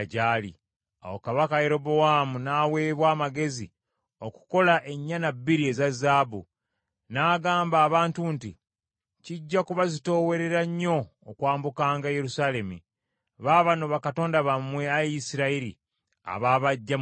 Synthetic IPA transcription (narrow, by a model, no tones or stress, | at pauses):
ɟaːlḭ | a̰wokaβakaje̞ɾo̞boamunaːwe̞ːβwaːmaɡe̞zi | oku̥ko̞laʔe̞ɲːanabːiɾie̞zazːaːbu | naːɡaːmbaːβaːntuntḭ | ciɟːakuβazito̞ːwe̞ɾe̞ɾaɲːo̞ː | kwaːmbukaːŋɡaje̞ɾusaːle̞mṵ | βaːβanoβakato̞ːndaβamwe̞ajisiɾaiɾḭ | a̰βaːβaɟːa